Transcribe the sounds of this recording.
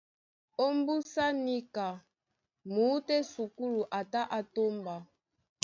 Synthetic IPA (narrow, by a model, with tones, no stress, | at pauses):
o˦mbu˦sa˦ni˦ka˨ | mu˨˦tɛ˦su˨ku˦lu˨ʔa˨ta˦ʔa˨to˦mba˨